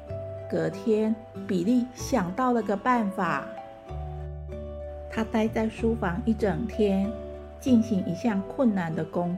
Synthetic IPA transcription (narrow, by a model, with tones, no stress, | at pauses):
kɤ˧˦t̪ʰjɛ˥n | pi˨˩li˥˩ɕjɑ˨˩ŋt̪ɑ˥˩ʊlə˨˩˧ɡə˨pa˥˩nfa˨˩˦ | t̪ʰa˥t̪a˥ɪt͡sa˥˩ɪʂu˦fɑ˧˦ŋi˥˩ʈ͡ʂɤ˨˩ŋt̪ʰjɛ˦˥n | t͡ɕi˥˩nɕi˧˥ŋi˧˥˦ɕjɑ˥˧ŋkʰwʊ˥˨nːa˨nd̪ə˨ko˦ŋ